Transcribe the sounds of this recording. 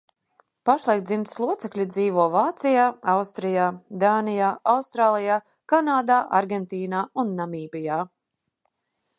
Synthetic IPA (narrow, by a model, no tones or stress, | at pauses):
paʃlˠajkt̪zimt̪slˠuɔt̪sɛklʲid̪ziːvuɔvaːt̪sijaːawst̪ɾijaːd̪aːnijaːawst̪ɾaːlˠijaː | kanaːd̪aːʔa̰ɾɡʲɛnt̪iːnaːunːamiːbʲijaː